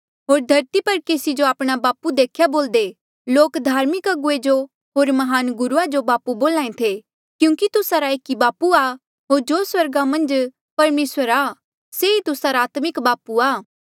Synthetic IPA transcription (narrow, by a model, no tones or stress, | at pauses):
ɦoːɾd̪ʱɐɾt̪ipɐɾkeːsid͡ʒoaːpɽ̃abaːpud̪eːkʰjaboːld̪e | loːkd̪ʱaːɾmɪkɐɡʊed͡ʒo | ɦoːɾmɐɦaːnɡʊɾuad͡ʒobaːpuboːlãːẽt̪ʰe | kjũːkit̪ʊsaɾaeːkibaːpua | ɦoːɾd͡ʒoːswɐɾɡamɐ̃nd͡ʒ | pɐɾmeːswəɾa | seit̪ʊsaɾaːt̪mɪkbaːpuaː